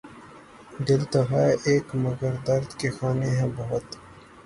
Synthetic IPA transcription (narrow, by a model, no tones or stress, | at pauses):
d̪ɪlt̪ɐɦaːʔeːkmɐɡəɾd̪ɐɾd̪kexaːneɦɛ̃bɐɦʊt̪